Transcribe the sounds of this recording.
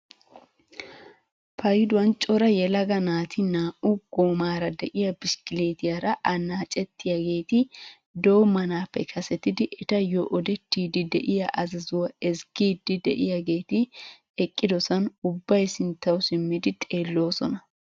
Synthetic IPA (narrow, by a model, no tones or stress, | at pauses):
pʰɐjɪd̪ʊwɐnt͡ʃʼɔɾɐjɛlɐɡɐnaːt̪ʰɪnaːʔʊɡ̥oːmaːɾɐd̪ɛʔɪjɐbɪskɪleːt̪ɪjɐɾɐʔɐnaːt͡ʃʼɛt̪ːɪjaɡe̞ːt̪ɪ | d̪owmɐnaːpːɛkʰɐsɛt̪ːɪd̪ɪʔɛt̪ɐjɔʔɔd̪ɛt̪ːiːd̪ɪd̪ɛʔɪjɐʔɐzɐzʊwɐɛsɡiːd̪ːɪd̪ɛ̰ʔɪjaɡe̞ːt̪ɪ | ɛkʼːɪd̪ɔsɐnʊbːɐjsɪnt̪ːɐwsɪmːɪd̪ɪt̪ʼe̞ːlːo̞ːsɔnɐ